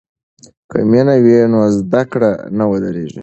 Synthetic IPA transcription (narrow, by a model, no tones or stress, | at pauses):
kʰə̰minawinozd̪akɽanawəd̪əɾeʒḭ